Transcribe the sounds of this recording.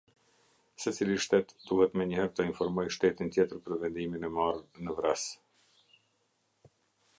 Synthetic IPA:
sɛt͡siliʃt̪ɛt̪d̪uhɛt̪mɛɲəhɛɾt̪əinfɔɾmɔjʃt̪ɛt̪int̪jɛt̪əɾpəɾvɛnd̪iminɛmarnəvɾɛs

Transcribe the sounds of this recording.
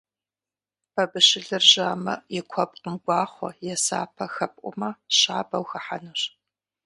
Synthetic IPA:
pʰɐbɨʃɪɮɨrʒaːmɐ̰jɛkʷʰɔp̚ʼqəmɡʷɑːχʷɔ̰jɛsa̰ːpʰɐxɐpʼʔʷʼʊ̰mɐɕaːbɐwxɐħanuɕ

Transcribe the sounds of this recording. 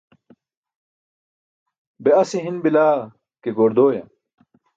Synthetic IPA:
beɐsiɦinbilaː | keɡoːɾd̪oːjɐ̰

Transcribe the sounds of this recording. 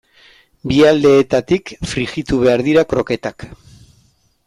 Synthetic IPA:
biald̪e̞ːt̪at̪ikfɾixit̪uβe̞aɾðiɾakɾo̞ke̞t̪ak

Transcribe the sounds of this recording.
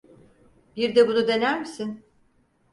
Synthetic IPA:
biɾd̪ɛbunud̪e̞næɾmisin

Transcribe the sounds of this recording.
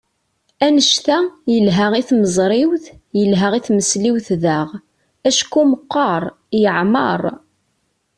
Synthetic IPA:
ænəʃt̪æjəlɦæʁiθməzˤɾˤɪwθ | jəlɦaʁiθməsliwθðaʁ | æʃkuməqːɑɾˤ | jəʕmə̰ɾˤ

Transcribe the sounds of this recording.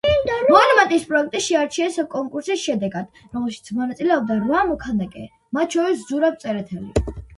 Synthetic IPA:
mɔanvat̪ʼispʼɾɔɛk̚ʰt̪ʼiʃɛaɾt͡ʃʰiɛsakʼɔŋkʼuɾsisʃɛd̪ɛɡad̪̥ | ɾɔmɛlˠʃi̥t̪sʰmɔnat̪sʼilɛɔb̚d̪aɾvamɔkʰanakʼɛ̰ | mat̪̚ʰt͡ʃʰɔɾiszuɾabt̪sʼɛɾɛt̪ʰɛli

